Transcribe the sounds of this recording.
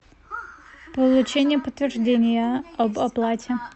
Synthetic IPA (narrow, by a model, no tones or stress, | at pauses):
pəlˠʊt͡ɕenʲɪjəpət̪vʲɪrʐdʲenʲɪjəɐbɐplˠatʲɪ